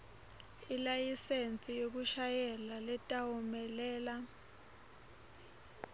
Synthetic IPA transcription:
ilajisent͡sʼijok̬uʃajɛlalɛtʼawumɛlɛːla

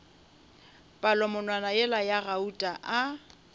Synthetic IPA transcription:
pʼalɔmʊnwanajɛlajarautʼaʔa

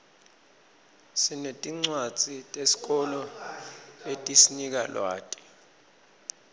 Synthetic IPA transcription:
sinetʼiŋ͡ǀwad͡z̥ʼʱitʼesi̥k̬ɔlɔ | etʼisinik̬alwaːtʼi̥

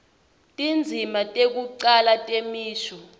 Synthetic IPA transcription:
tʼind͡zʱimatʼek̬uǀalatʼemiːʃɔ

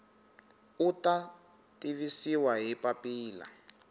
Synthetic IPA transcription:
uta | tiβisiwaɦipapiːla̰

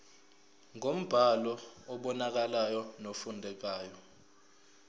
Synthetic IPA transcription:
ŋom̩b̥ʱalɔɔɓɔnak̬alajɔnofundʱɛk̬aːjɔ

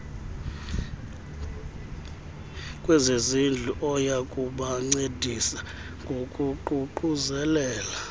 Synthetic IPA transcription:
kʼwɛzezind͡ɮʱuʔɔjakʼuɓaŋ͡ǀedʱisa | ŋɡʱokʼuǃuǃuzɛlɛːla

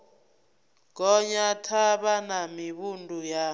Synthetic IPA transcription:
k̬ʼɔɲatʰaɓanamiɓundʱʼuja

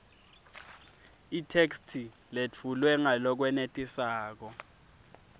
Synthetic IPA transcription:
itʰekstʰi | let͡fʰulwɛŋalɔk̬wɛnetʼisaːk̬ɔ

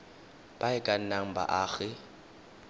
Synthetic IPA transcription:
b̥aɪkʼan̩naŋ̩ba̰ʔaːɣɪ

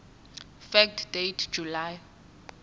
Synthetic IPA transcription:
fɛk̚tʰd̥ejtʰd͡ʒ̥ʱulaj

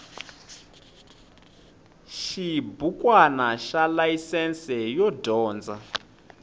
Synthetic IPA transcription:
ʃibukwanaʃalaisɛnsɛjɔdɔːnd͡za

